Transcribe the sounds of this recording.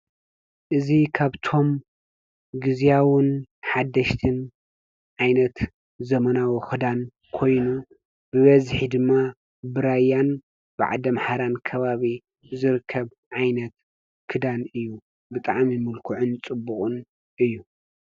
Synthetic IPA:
ʔɨzikʰaβt̪ʰo̞m | ɡɨzjawʊnħad̪ːɐʃt̪ʰɨn | ʕajnɐt̪ | zɐmɐnawoxɨd̪an | kʰo̞jnu | bɨβɐzħid̪ɨmːa | bɨɾajan | b̥ɨʕa̰d̪ɐmħaɾankʰɐβaβi | zɨɾɨkʰːɐβ | ʕajnɐt̪ | kʰɨd̪anɨjːu | bɨt̪ʼa̰ʕmimɨlkʰuʕʊnt͡sʼɨbːuχʼɨn | ʔɨjːu

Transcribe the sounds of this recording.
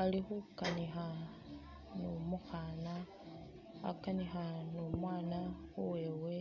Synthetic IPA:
alixukanixa | numuxana | a̰kanixanumwaːnaxuwewe

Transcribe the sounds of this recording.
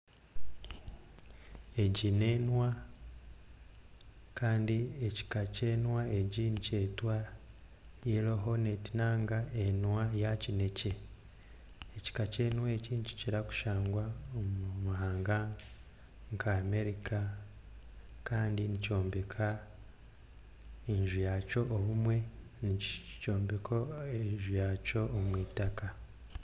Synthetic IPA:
e̞ɟine̞ːnwa | kʰaːndieci̥kace̞ːnwaeɟinice̞ːtwa | jeloɦonetinaːŋɡaenwajacine̞ce̞ | eci̥kace̞ːnweciːɲci̥ciɾaku̥ʃaːŋɡwaomumuɦaːŋɡa | ŋkʰaːme̞ɾikʰa | kaːndinico̞ːmbe̞kʰa | inʒujaco̞ʔːβumwe̞ | nico̞ːmbe̞kʰoeɲʒujaco̞ːmwiːtaka

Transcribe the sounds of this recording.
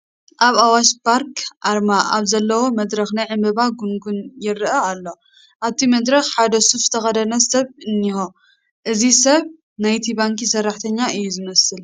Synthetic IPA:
ʔaβawaʃpaɾkʰʔaɾmaʔaβzɐlːɐwomɐd̪ɾɐxnajʕɨmbɨβaɡuŋɡunjɪɾʔɐalːo̞ | ʔaβt̪ʰimɐd̪ɾɐxħad̪ɐsufzɨt̪ʰɐxɐd̪ɐnɐsɐβɨnːixo | ʔɨzisɐβ | najt̪ʰibaŋkisɐrːaħt̪ʰɐɲːaɨjːuzɨmɐsɨl

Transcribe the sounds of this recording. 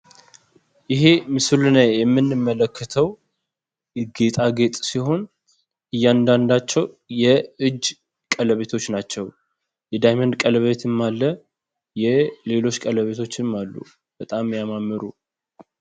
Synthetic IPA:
ʔɪɦe̞mɨsɨlɨnəjɛmːɨnːɨmːələkːət̪ʰəw | ɡe̞t̪ʼaɡe̞t̪ʼsiho̞n | ʔɨjːand̪and̪at͡ʃːɛw | jɛɨd͡ʒː | kʼələβe̞t̪ʰo̞t͡ʃːnat͡ʃːɛw | jɛd̪ajmand̪kʼələβet̪ʰɨmːalːə | jɛle̞lo̞t͡ʃːkʼələβe̞t̪ʰo̞t͡ʃːɨmːalːṵ | b̥ət̪ʼamːjamamːɨɾu

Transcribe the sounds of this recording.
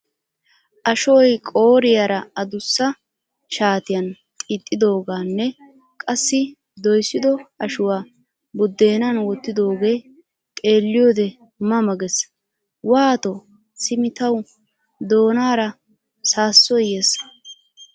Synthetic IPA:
ʔɐʃɔjkʼo̞ːɾɪjaɾɐɐd̪ʊsːɐ | ʃaːt̪ɪjɐn | t̪ʼiːt̪ʼːɪd̪o̞ːɡaːnːɛ | kʼɐsːɪ | d̪ɔjsːɪd̪ɔɐʃʊwaː | bʊd̪ːe̞ːnanwɔt̪ːɪd̪o̞ːɡe̞ː | t̪ʼe̞ːlːɪjo̞ːd̪ɛ | mɐmɐɡɛs | waːt̪ɔ | sɪmɪt̪ɐw | d̪o̞ːnaːɾɐ | saːsːɔjeːs

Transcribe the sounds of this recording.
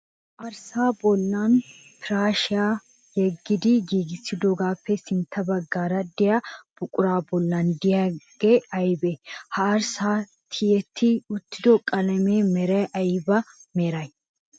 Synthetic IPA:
ʔɐɾsaːbɔlːan | p̪ɪɾaːʃɪjaː | jɛɡːɪd̪ɪɡiːɡɪsɪd̪oɡaːpʰːɛsɪnt̪ʰːɐbɐɡːaːɾɐd̪ɪjab̥ʊkʼʊɾaːbɔlːand̪ɪjɐɡ̥ɛɐjbɛhɐːɾsaː | t̪ʰɪjɛt̪ʰːɪʊt̪ːɪ̥d̪ɔkʼɐlɐmeːmɛɾɐjʔɐjbɐmeːɾɐj

